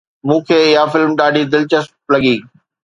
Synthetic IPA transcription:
mũːkʰeːɪɦafɪlmɗaːɖʱid̪ɪlt͡ɕəsp̚lɐɠiː

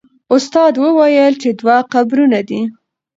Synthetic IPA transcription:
ʊst̪ɑd̪wəwajəlt͡ʃed̪waqabɾunad̪i

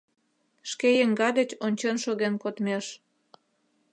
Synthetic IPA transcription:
ʃkejeŋɡɑd̪et͡ɕonʲt͡ɕenʃoɣenkot̪meʃ

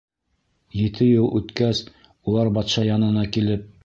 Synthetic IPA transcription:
jɘ̆t̪ʰɘjɤlˠʔʉt̪kæs | ulˠɑɾbɑt̪ʃɑjɑnɤ̆nɑkilɘp̚

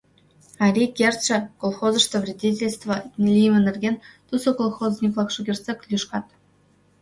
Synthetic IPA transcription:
ɑɾʲikʲerʲt͡ɕɘ̆kolˠχozɤ̆ʂt̪ə̆vrʲidʲit̬ʲelʲst̪və̆lʲijmʲɘ̆nʲɘ̆rʲɡʲenʲt̪usŏkolˠχozʲnʲiklˠɑkʂɤkʲerʲt̪sʲekʲlʲjuʂkɑt̪

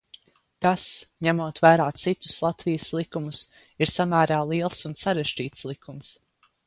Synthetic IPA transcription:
t̪asɲæmuɔt̪væːɾaːt̪sit̪u̥slˠat̪vijəslˠikumusiɾsamæːɾaːlˠiɛlˠsunsaɾeʒd͡ʒiːt̪slˠikums

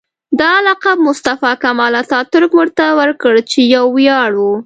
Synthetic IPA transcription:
d̪ɑalɑqab̚mʊst̪afɑkamɑlat̪ɑt̪ʊɾkmʊɾt̪awəɾkəɽt͡ʃejawːjɑɽwu

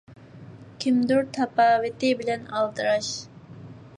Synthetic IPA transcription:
kʲʰimd̪uɾt̪ʰɑpɑːwɪt̪ɪbɪlɛnɑlˠd̪ɨɾɑʃ

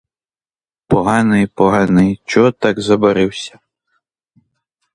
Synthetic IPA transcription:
pɔɦɑnɪjpɔɦɑnɪjt͡ʃɔɦɔt̪ɑɡzɐbɐɾɪwsʲɐ̥

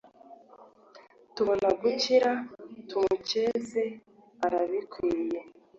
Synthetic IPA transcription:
tuβo̞naɡuciɾatumuce̞ze | aɾaβikʰwiːje

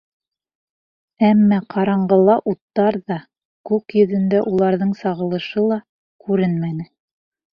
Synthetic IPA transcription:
æmːæqʰɑɾɑɴɢɤ̆lˠɑʔut̪ːɑɾðɑ | kʉkjɵ̆ðɘ̆nd̪æʔulˠɑɾðɤɴsɑʁɤ̆lˠɤ̆ʃɤlˠɑ | kʉɾɘnmænɘ

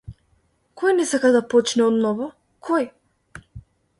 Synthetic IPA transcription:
kʰɔjnɛsakad̪apɔt͡ʃnɛɔd̪nɔvɔ | kʰɔj

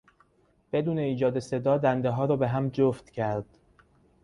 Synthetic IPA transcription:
b̥e̞d̪uːne̞iːd͡ʒɒːd̪e̞se̞d̪ɒːd̪ænd̪eɦɒːɾɒːbe̞ɦæmd͡ʒoft̪cʰæɾd̪̥

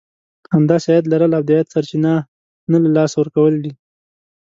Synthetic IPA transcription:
hamd̪ɑseɑjat̪laɾəlab̚d̪ajat̪saɾt͡ʃina | nalalɑsawəɾkawəld̪i

